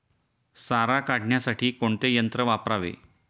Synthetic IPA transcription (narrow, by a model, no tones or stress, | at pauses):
saɾakaɽ̤ɳjasaʈiːkoɳt̪ejənt̪ɾəʋapɾaʋḛ